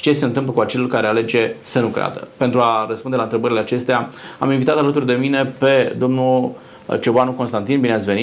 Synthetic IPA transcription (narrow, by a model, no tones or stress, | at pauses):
t͡ʃe̞seɨnt̪ɨmp̬ləkuat͡ʃe̞lulkaɾe̞ale̞d͡ʒe̞sənukɾḛa̰d̪ə̰pe̞nt̪ɾuaɾəspund̪elaɨnt̪ɾe̞bəɾileat͡ʃe̞st̪eaa̰minvit̪at̪alət̪urd̪e̞mine̞pe̞d̪o̞mnu | t͡ʃobanukonst̪ant̪inbineat̪sve̞ni